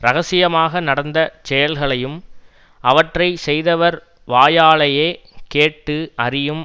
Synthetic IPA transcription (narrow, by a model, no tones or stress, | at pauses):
ɾɐɣɐsɪjɐmaːɣɐnɐɽɐnd̪ɐt͡ʃɛjɐlɣɐɭɐjɯm | ɐʋɐʈrɐɪsɛjðɐʋɐɾ | ʋaːjaːɭɐjeː | keːʈːɯʔɐɾɪjɯm